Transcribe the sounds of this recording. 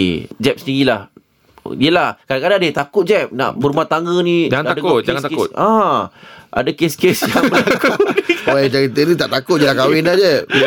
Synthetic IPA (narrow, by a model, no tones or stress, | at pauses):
d͡ʒɛp̚səniɣilah | iəlahkadakadadet̪akʊt̪̚d͡ʒɛp̚na̰ʔbəɾumat̪aŋɡənĩd͡ʒaŋanaadakʊt̚d͡ʒaŋant̪akʊt̪ã | ʔa̰dakeskesjabakunioɛd͡ʒakit̪ənit̪aʔt̪akʊt̪̚d͡ʒəlakawɪnad͡ʒəp̚